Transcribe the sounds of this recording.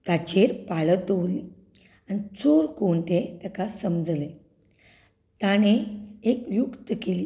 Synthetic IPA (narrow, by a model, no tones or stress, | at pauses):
t̪at͡ɕeɾpaɭət̪oʋli | anit͡soɾkoɳʈet̪akasəmd͡zle | t̪aɽ̃eekjukt̪əkeli